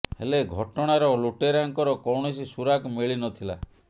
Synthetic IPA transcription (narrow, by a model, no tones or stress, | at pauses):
hḛleɡʱɔʈɔɽ̃aɾɔluʈeɾaŋkɔɾɔkɔwɳisisuɾakmeɭinɔt̪ʰila̰